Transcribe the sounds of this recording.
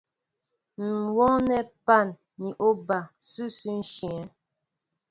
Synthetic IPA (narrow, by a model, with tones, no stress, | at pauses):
n̩˨wɔ˦ŋnɛ˦pa˦˨nː | i˨ʔo˦ba˨sʉ˦sʉ˦n̩˦ʃi˨ɛ˨˦